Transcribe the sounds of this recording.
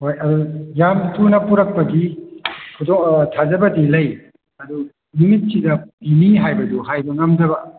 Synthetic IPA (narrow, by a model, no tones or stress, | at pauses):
hojɐdujamtunɐpuɾɐk̚pɐɡi | kʰutɔŋtʰazɐbɐdilɐj | ɐdu | numit̚sidɐpiniɦajbɐduɦajbɐŋɐmdɐbɐ